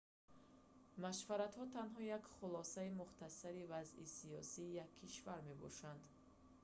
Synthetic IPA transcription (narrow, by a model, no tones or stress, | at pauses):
maʃvaɾat̪hɔt̪ʰanɦɔjakχulɔsaimuχt̪asaɾivazisijɔ̰siːjakʰːiʃvaɾme̞bɔ̰ʃand̪